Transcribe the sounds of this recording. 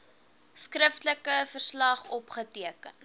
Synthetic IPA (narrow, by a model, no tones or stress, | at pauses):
skrəftləkəfərslɐχɔpχətiəkən